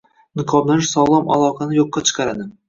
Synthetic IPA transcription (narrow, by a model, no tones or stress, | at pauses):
nɪqʰɒblanɪʃsɒlˠɒma̰lˠɒqʰɑnɪjoqːɑt͡ʃʰɨ̥qʰɑɾad̪ɪm